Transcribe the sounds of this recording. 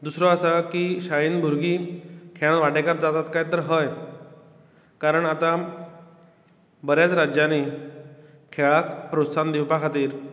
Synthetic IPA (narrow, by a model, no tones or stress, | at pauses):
d̪usɾɔəsakiɕajiːnbʱuɾɡiːkʰeɭ̃ãnʋaʈekat̪̚d͡zat̪at̪kajt̪əɾɦəj | kaɾəɳat̪a | bəɾjat͡sɾad͡ʑjani | kʰeɭakpɾot̪sand̪iwpakʰat̪iːɾ